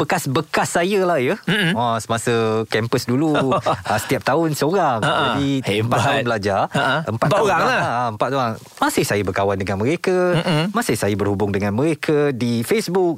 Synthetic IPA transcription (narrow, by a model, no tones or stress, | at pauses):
b̥əkasbəkasːajəlahjəasəmasəkɛmpəsduluəsə̥t̪iap̚t̪aʊnsəoɾaŋʔd͡ʒadiəmpat̪ːaʊnbəlad͡ʒarəəmpat̪ːalaəmpat̪oɾaŋ | mãsɪhsajəbərkawandəŋãnmə̃ɾekamãsɪhsajəbərhubʊŋdəŋãnmə̃ɾekʰadifesbuk̚